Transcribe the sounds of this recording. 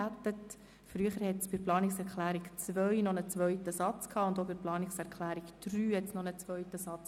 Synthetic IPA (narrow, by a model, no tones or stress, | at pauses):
æt̪ət | fɾyəχəɾhɛtsb̥ɪɾplɑːnɪksæɾklæːɾikt͡sʋœɥnɔnət͡sʋœʏtəsɑt͡skʰɑːʊnd̪obɪɾplɑːnɪksæɾklæːɾikd̥ryːɛtt͡snɔnət͡sʋœʏtəsɑt͡s